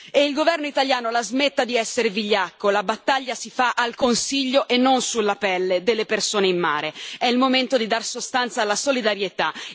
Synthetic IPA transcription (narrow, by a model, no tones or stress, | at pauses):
eilɡovɛrnoit̪aljaːnolazmet̪ːad̪iɛsːeɾeviʎːakːolabat̪ːaʎːasifaʔalkonsiʎːoʔenːonsulːapɛlːed̪elːepersoːneimːa̰ːɾeɛilmoment̪od̪id̪arsost̪ant̪saːlːasolid̪aɾjet̪a